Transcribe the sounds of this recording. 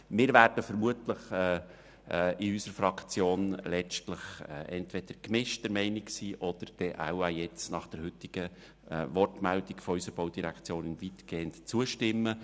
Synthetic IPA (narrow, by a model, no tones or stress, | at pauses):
mɪːɾvæːrd̥əfəɾmuətləχɛː | ʔɪysəɾfɾɑkt͡sjoːnlɛt͡ʃtləχɛʔɛntʋɛd̪̥əɾkmɪʃtdəɾmɛɪniksiːʔɔd̥̪əɾd̥ɛʔa̰ʊajɛt͡snɑχd̥ɛɾhʏtɪɡ̥ə | ʋɔrtmæld̥̪ikfɔysəb̥oʊd̥iɾækt͡sjoːnɪnvit̪ɡ̥eːəntt͡suəʃtɪmːə